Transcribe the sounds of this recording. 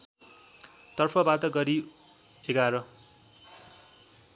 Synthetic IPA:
t̪ʌrpʰʌbat̪ʌɡʌɾi | eɡaɾʌ

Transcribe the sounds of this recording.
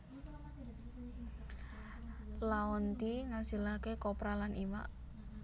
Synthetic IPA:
laɔnt̪iŋasilakekɔpɾalanʔiwa̰ʔ

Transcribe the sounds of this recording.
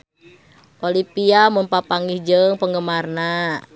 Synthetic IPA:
ʔolipiamunpapaŋihd͡ʒəŋpəŋɡəmarna

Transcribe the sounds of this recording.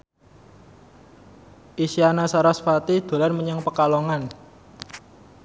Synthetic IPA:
ʔisianasaɾasfat̪id̪̥o̤lanməɲəŋpəkaloŋan

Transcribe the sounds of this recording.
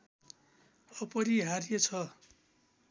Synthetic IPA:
ʌpʌɾiɦaɾijet͡sʰʌ

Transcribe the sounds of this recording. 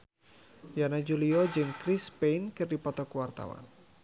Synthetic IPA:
janad͡ʒuliɔd͡ʒɨŋkɾispenkɨrdipɔt̪ɔkəwart̪a̰wa̰n

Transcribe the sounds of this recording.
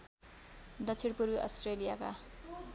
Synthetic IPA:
d̪ʌt͡sʰiɽpuɾbiʔʌstrelijaka̰

